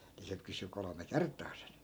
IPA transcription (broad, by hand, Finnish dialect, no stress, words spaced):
ni se kysy kolome kertˑɑː sen